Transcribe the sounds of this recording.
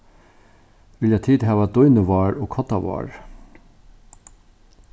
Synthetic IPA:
ʋɪljæt̪ʰiːd̪ɦæːʋad̪ɔjnəʋɑːɹoːɡkʰɔt̪aʋɑ̰ːɹ

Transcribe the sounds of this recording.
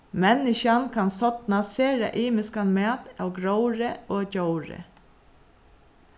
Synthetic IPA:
mɛnɪʃankʰansɔt̪naseːɾa̰ʔiːmɪskanmæːt̪aːwɡɾowɾəoːcowɾə̰

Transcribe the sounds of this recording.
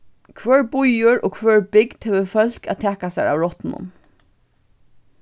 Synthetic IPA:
kʰʋœːɹbʊjʊɹɔ̰ːkʰvœːɹbɪkd̪̥hɛːʋəfœl̥kæ̰t̪ʰɛːkasajɹa̰wɹɔht̪nʊ̰m

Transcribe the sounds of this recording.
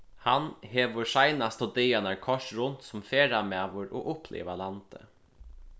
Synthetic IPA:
hanheːʋəʂajnast̪ɔd̪ejanaɹkʰɔʂɾʊnt̪sʊmfeːɾamæːʋəɾʔo̰ʔʊplḛːʋalant̪ə̰

